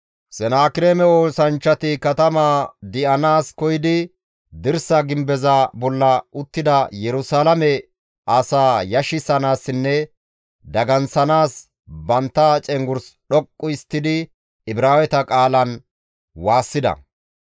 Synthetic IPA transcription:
sɛnaːkɪɾeːmɛoːsɐnt͡ʃːɐt̪ɪkɐt̪ɐmaːd̪ɪʔɐnaːskɔjɪd̪ɪ | d̪ɪɾsɐɡɪmbɛzɐbɔlːɐʊt̪ːɪd̪ɐjɛɾʊsaːlɐmɛ | ɐsaːjɐʃɪsɐnaːsɪnːɛ | d̪ɐɡɐnsɐnaːs | bɐnt̪ːat͡ʃʼɛŋɡʊɾsɗɔkʼːʊɪst̪ːɪd̪ɪ | ɪbɾaːwɛt̪ɐkʼaːlɐn | waːsːɪd̪ɐ̰

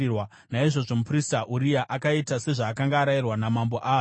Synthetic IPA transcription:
wa | naiʐo̞ʐo̞mupristaʔuɾijaʔakaitase̞ʐaːkaŋɡaːɾairwanamambo̞ʔaː

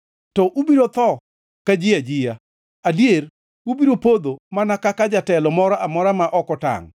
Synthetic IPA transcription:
tɔʔubiɾot̪ɔ | kad͡ʒɪad͡ʒɪja | adjeɾ | ubiɾopod̪omanakakad͡ʒatɛlɔmɔɾaʔamɔɾamaʔɔkɔta̰ŋ

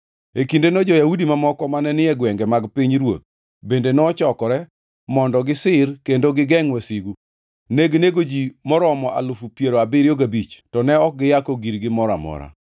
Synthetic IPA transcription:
ekindenɔd͡ʒɔjaudimamɔkɔmanɛnɪɛɡwɛŋɡɛmaɡpiɲɾwo̰t̪̚ | bendenɔt͡ʃɔkɔɾɛ | mɔndɔɡɪsɪrkendoɡɪɡɛŋwasiɡu | neɡneɡod͡ʒimɔɾɔmɔʔa̰lʊfupjeɾoabɪɾjoɡabit͡ʃtɔnɛɔk̚ɡɪjakoɡiɾɡɪmɔɾa̰mɔ̰ɾa̰

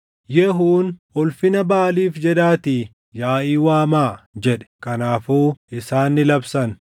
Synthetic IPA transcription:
jɛɦuːnɔlfɪnɐbaːliːfd͡ʒɛᶑaːt̪iː | jaːʔiːwaːmaːd͡ʒɛᶑɛ̥kɐnaːfuːʔɪsaːnːɪlɐbsɐn

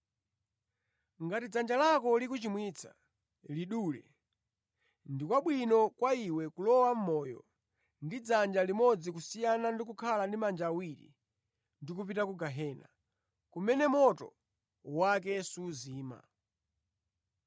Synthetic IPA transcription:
ŋɡatid͡zand͡ʒalakɔlikut͡ʃimwit͡sʰa̰ | liɗuːlɛ̰ | ndikwaɓwinɔkwaiwɛkulɔwam̩mɔːjɔ̰ | ndid͡zand͡ʒalimɔd͡zikusijanandik̬ukʰalandimand͡ʒaːwiɾḭ | ndikupitakuɡaɦɛːna̰ | kumɛnɛmɔtɔ̰ | wakɛsuːziːma̰

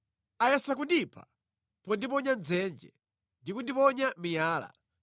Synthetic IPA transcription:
ajɛsakundipʰa̰ | pɔndipɔɲand͡zɛnd͡ʒɛ | ndikundipɔɲamijaːla̰

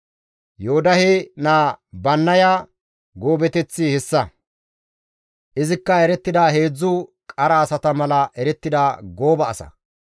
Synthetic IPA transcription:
joʊd̪ɐhenaːbɐnːɐja | ɡo̞ːbɛt̪ɛt͡sːihɛsːɐ | ʔɪzɪkːɐɛɾɛt̪ːɪd̪aːɦe̞ːd͡zːʊ | kʼɐɾɐːsɐt̪ɐmɐlɐʔɛɾɛt̪ːɪd̪aːɡo̞ːbɐːsɐ̰

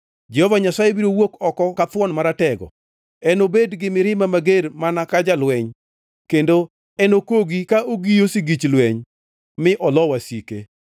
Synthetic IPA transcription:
d͡ʒɛhovaɲasajebiɾowokɔkɔkatwɔnmaɾatɛɡɔ̰ | ɛnobedɡɪmɪɾɪmamaɡermanakad͡ʒalwɛɲ | kendo | ɛnokoɡikaʔoɡijosiɡit͡ʃlwɛɲ | mɪʔɔlɔwasike

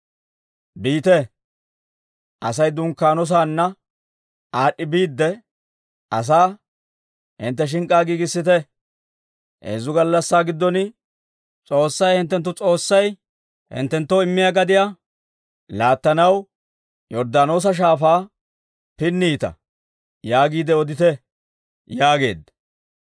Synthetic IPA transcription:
biːt̪ɛ | ʔɐs̬ɐjd̪ʊŋkːaːnɔs̬aːnːɐ | aːɗːɪbiːd̪ːɛ | ʔɐs̬aː | hɪ̰nt̪̬ːɛʃ̬ɪŋkʼaːɡiːɡɪsːɪt̪ɛ | ʔḛːzʊɡɐlːɐsːaːɡɪd̪ːɔnɪ | t͡sʼo̞ːsːɐjhɪnt̪ːɛnt̪ːʊt͡sʼo̞ːsːɐj | hɪ̰nt̪ːɛnt̪ːoɪmːɪjaɡɐd̪ɪja | laːt̪ːɐnɐw | jɔɾd̪aːno̞ːs̬ɐʃ̬aːfaː | pɪnːiːt̪ɐ̰ | jaːɡiːd̪ɛɔd̪ɪt̪ɛ | jaːɡe̞̰ːd̪ɐ̥

